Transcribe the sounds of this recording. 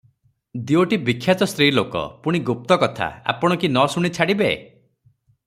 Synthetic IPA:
d̪ioʈibikʰːjat̪ɔst̪ɾilokɔ̰puɽ̃iɡup̚t̪ɔkɔt̪ʰa̰a̰pɔɽ̃ɔkinɔsuɽ̃it͡ʃʰaɽibḛ

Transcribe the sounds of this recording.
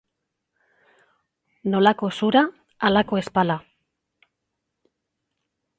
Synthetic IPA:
no̞lako̞suɾa | alako̞e̞spala

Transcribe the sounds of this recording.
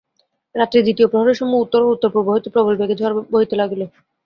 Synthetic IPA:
ɾat̪ːɾed̪it̪iopɾoɦaɾeɾʃɔmːout̪ːoɾout̪ːoɾpɾoboɦit̪opɾobolbeɡed͡ʑʱɔaɾboɦit̪elaɡlo

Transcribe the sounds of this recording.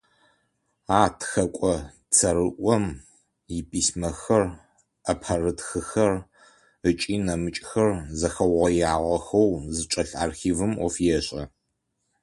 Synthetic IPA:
aːtʰxɐkʷʼɔ | t͡sʰɐɾɨʔʷɔm | jɪpʰʼiːsmɐxɐr | ɐpʰɐrɨtxɨxɐr | ət͡ʃʼiːnɐmɨt͡ʃʼxɐrzɐxɐwʁɐjaːʁɐxɐwzɨt͡ʃʼɐɬa̰ːrxiːvɨmɔfjɛɕʼɐ

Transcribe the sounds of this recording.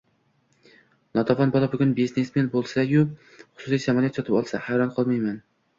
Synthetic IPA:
nɒt̪ʰɑvɑnbɒlˠabʊɡʲʊnbiznesmenbolˠsajʊ | χʊ̥sʊsijsamɒlˠijat̪sɒt̪ʰɪpɒlˠsa̰hajɾɒnqʰɑlˠmajman

